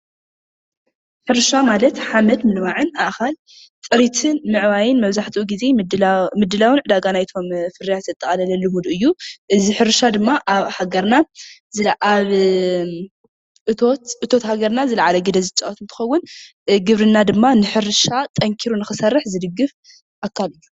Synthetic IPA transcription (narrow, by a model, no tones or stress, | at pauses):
ħɨɾʃamalɐt̪ħamɐd̪mɨlmaʕɨnaʔxal | t͡sʼɨɾit̪ʰɨnmɨʕβajɪnmɐβzaħt̪ʰiʔuɡize̞mɨd̪ːɨlawɨnʕɨd̪aɡanajt̪ʰo̞mfɨɾijat̪zɨt̪ʼɐχʼɐlɐlɐlɨmud̪ʔɨjːuʔɨziħɨɾʃad̪ɨmːaʔaβhaɡɐɾnazɨlʔaβ | ot̪ʔɨt̪ʰo̞t̪haɡɐɾnazɨlɐʕalɐɡɨd̪ɐzɨt͡ʃʼɐot̪ɨnt̪ʰɨ̥xɐwːʊn | ɡɨβɾɨnːad̪ɨmːanɨħɨɾɨʃat̪ʼɐŋkʰiɾunɨxɨsɐrːɨħzɨd̪ɨɡːɨf | ʔakʰːalɨjːu